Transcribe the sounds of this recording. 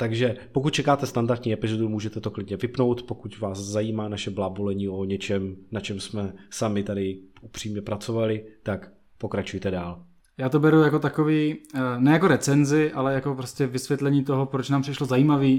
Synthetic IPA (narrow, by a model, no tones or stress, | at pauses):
t̪aɡʒɛpokut̪̚t͡ʃɛkaːt̪ɛst̪andaɾt̪ɲiːɛpɪzodumuːʒɛt̪ɛt̪oklɪdɲɛvɪpno̞wt̪pokucvaːszajiːmaːnaʃɛblaːbolɛɲiːoɲɛt͡ʃɛmnat͡ʃɛmsmɛsamɪt̪adɪupr̥iːmɲɛpɾat͡so̞valɪt̪ak | po̞kɾat͡ʃujt̪ɛdaːl | jaːt̪o̞bɛɾujako̞t̪akoviːnɛjako̞ɾɛt͡sɛnzɪʔalɛjako̞pɾoscɛvɪsvʲjɛt̪lɛɲiːt̪o̞ɦopɾot͡ʃnaːmprɪʃlozajiːmaviː